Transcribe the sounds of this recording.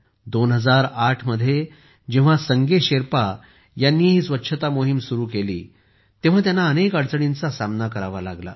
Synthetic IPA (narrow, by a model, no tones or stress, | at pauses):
d̪onɦəd͡zaɾaʈʰməd̪ʱje | d͡ʑeʋ̤asəŋɡeɕeɾpa | janːiːɦiːsʋətːɕʰət̪amoɦimsuɾuːkelḭː | t̪eʋ̤at̪janːaənekəɽt͡səɽint͡sasamnakəɾaʋala̰ɡla̰